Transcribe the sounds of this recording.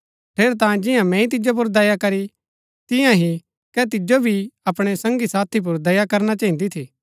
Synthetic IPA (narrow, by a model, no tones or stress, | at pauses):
pʰeːɾt̪̬ãːd͡ʒɪjãmɛ̃ːĩt̪̬ɪd͡ʒop̬ʊɾd̪ɐjakɐɾi | t̪ɪjãɦi | kɛt̪̬ɪd͡ʒobʱiɐpɽ̃esɐ̃ŋɡisaːt̪ʰip̬ʊɾd̪ɐjakɐɾnat͡ʃãːɦĩnd̪it̪ʰiː